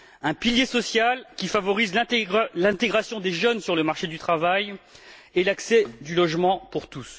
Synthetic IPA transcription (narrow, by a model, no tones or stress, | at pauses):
ɛ̃piljesɔsjalkʲifavɔʁizlɛ̃lɛ̃t̪eɡʁasjɔ̃d̪eʒœnsyʁləmaʁʃed̪yt̪χavaj | elaksɛd̪ylɔʒmɑ̃puʁt̪us